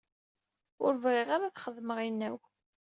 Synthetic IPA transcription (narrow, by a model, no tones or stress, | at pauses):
ʊɾvʁiʁaɾaθχəðməʁinːæw